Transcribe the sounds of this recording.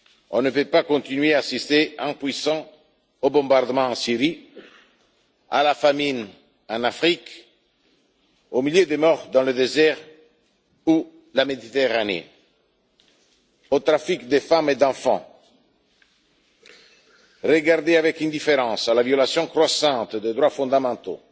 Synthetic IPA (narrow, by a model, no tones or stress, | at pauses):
ɔ̃nəpøpakɔ̃t̪inɥeaːsist̪eɑ̃pwisɑ̃ | obɔ̃baʁd̪əmɑ̃ɑ̃siʁi | a̰lafamiɲ | ɑ̃nafχik | omiljød̪emɔʁd̪ɑ̃ləd̪ezɛʁ | u | lamed̪it̪eʁanḛ | ot̪ɾafikd̪efamed̪ɑ̃fɑ̰̃ | ʁəɡaʁd̪eavɛkɛ̃nd̪ifeɾɑ̃salavjolasjɔ̃kɾwasɑ̃t̪d̪ed̪ʁwafɔ̃d̪amɑ̃t̪o̰